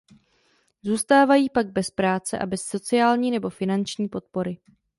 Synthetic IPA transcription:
zuːst̪aːvajiːpaɡ̚bɛspɾaːt͡sɛ̰ʔa̰bɛsːo̞t͡sɪaːlɲiːnɛbo̞fɪnant͡ʃɲiːpo̞t̪̚po̞ɾɪ

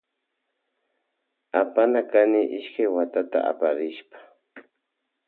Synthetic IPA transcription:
apanakanɪʔɪʃkajwat̪at̪a̰a̰paɾɪʃpḁ

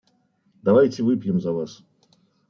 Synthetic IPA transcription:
d̪avajtʲɪvɨpʲjɪmzɐvas

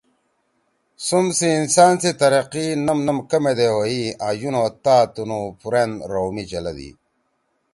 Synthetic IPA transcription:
sumsiːnsaːnsit̪ɐɾɐqinɐmnɐmkɐmed̪eɦoiajunoːt̪aːt̪unupuɾenɾomit͡ɕɐlɐ̰d̪ḭ

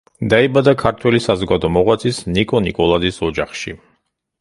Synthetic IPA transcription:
d̪aibad̪akʰaɾt̪ʰwɛlisazɔɡad̪ɔmɔʁwat̪sʰisnikʼɔnikʼɔlˠazisɔd͡ʒaχʃḭ

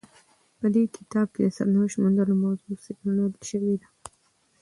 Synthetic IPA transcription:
pəd̪ekʰɪ̥t̪ɑb̚ked̪əsa̰ɾnaʃmand̪əlomawzusɪɡnanad̪əlʃəwed̪a

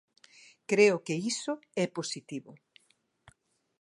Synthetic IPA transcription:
kɾeʊkeisʊɛposit̪iβʊ

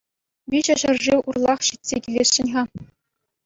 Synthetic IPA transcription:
bʲiɕɘ̆ɕɤ̆rʐiʔurlˠɑχɕitʲsʲekʲilʲesːʲɘ̆nʲʁɑ

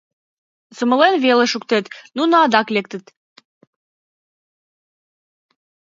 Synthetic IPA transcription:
sə̆mə̆lenβelĕʃuk̚t̪et̪nunəɑd̪ɑklekt̪ə̆t̪

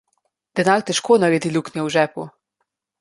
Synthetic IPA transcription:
d̪̥ɛnaːɾt̪ɛʃkoːnaɾɛd̪iluknjɛwʒɛːpu

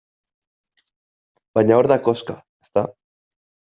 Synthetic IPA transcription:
baɲaoɾðakoska | est̪a

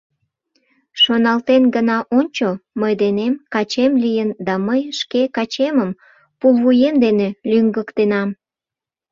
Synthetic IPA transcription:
ʃonɑlt̪enɡənɑʔonʲt͡ɕoməjd̪enemkɑt͡ɕemlijənd̪ɑməjʃkekɑt͡ɕeməm | pulˠβujemd̪enelyŋɡəkt̪enɑm

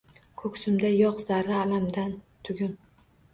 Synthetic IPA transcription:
kʰɵkʲsʊmd̪ajɒqzaɾːaalamd̪an | t̪ʰʊɡʲʊn

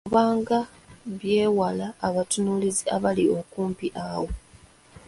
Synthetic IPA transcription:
uβaːŋɡa | βje̞ːwalaːβatunuliziaβalio̞kuːmpiʔawo̞

